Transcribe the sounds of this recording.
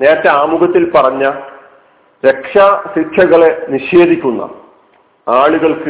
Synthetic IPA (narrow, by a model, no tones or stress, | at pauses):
ne̞ːɾɐt̪ːeaːmuɣɐt̪ːilpɐrɐɲːɐ | ɾe̞kʂaɕikʰjɐɣɐɭe̞niɕe̞ːd̪ʱikʲːunːɐ̰ | aːɭuɣɐɭkɨ